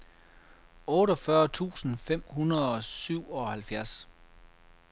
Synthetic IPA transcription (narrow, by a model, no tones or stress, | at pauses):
ɔ̽ːɾɒfɶɐt͡sʰṵːsn̩fem̰hunɐð̩ˠɒ̽syʊ̰ɒ̽hælfjæɐs